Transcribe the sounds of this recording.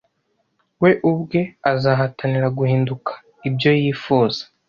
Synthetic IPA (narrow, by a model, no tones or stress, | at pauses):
we̞ʔubɡe̞azaːɦatʰaniɾaɡuhiːndukḁ | ibjo̞jiːfuːz̥ḁ